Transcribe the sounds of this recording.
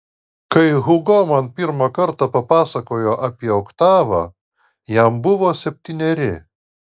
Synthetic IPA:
kɐɪɣʊɡoːmɐnpʲɪɾmɐkɐɾt̪ɑpɐpɑːsɐkoːjoːʔɐpʲiɛɐʊkt̪ɑːʋɑ̰ː | jæmbʊʋoːsʲɛpʲt̪ʲinʲɛɾʲɪ

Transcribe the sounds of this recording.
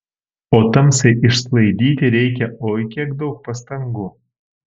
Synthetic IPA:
oːt̪ɐmsʲɛʔɪʃslˠɐɪd̪ʲiːt̪ʲɪɾʲɛɪk̬ʲɛʔoːjkʲiɛkd̪ɐʊk̚pɐst̪ɐŋɡu

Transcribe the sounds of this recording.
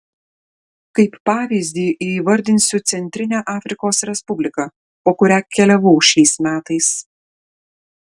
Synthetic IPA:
kɐɪpːɑːʋʲiːzʲd̪ʲiːʔiːʋɐɾʲd̪ʲɪnʲsʲʊt̪sʲɛnʲt̪ʲɾʲɪnʲæːʔɑːfʲɾʲɪkoːsɾʲɛspʊbʲlʲɪkɐ | poːkʊɾʲæːkʲɛlʲɛʋɔʊʃʲɛɪsmʲæːt̪ɐɪs

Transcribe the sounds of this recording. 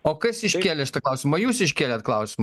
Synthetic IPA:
okɐsʲiʃʲkʲeːlʲɛʃt̪ɐklˠɐwsʲɪmɐjuːsiʃ̬ʲkʲeːlʲɛt̪̚klˠɐʊsʲɪmɐ

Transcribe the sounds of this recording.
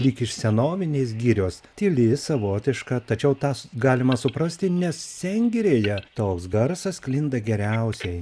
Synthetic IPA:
lʲiːkɪʃsʲɛnoːʋʲɪnʲeːs̬ɡʲiːɾʲoːst̪ʲɪlʲɪsɐʋoːt̪ʲɪʃkɑt̪ɐt͡ʃʲɛʊt̪ɑːɡɑːlʲɪmɐsʊpɾɐsʲt̪ʲɪnʲɛssʲɛŋʲɡʲɪɾʲeːjɛt̪oːksɡɐɾsɐsklʲɪnd̪ɐɡʲɛɾʲɛʊsʲɛɪj

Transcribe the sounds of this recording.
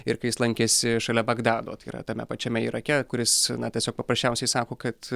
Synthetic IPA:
ɪɾkɐɪjɪslˠɐŋʲkʲeːsʲɪʃɐlʲɛbɐɡd̪ɑːd̪o̰ːt̪ɐɪiːɾɐ̰t̪ɐmʲɛ̰pɐt͡ʃʲɛmʲɛiːɾɐkʲɛkʊɾʲɪsnɐt̪ʲiɛsʲoːk̚pɐpɾɐsʲt͡ʃʲɛʊsʲɛɪsɑːkoːkɐt̪

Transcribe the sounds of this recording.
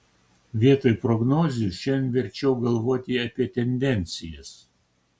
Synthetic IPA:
ʋʲiɛt̪oːjpɾɔɡnoːzʲʊʃʲɛnʋʲɛɾʲt͡ʃʲɛʊɡɐlˠʋoːt̪ʲiɐpʲiɛt̪ʲɛnʲd̪ʲɛnʲt̪sʲɪjɛs

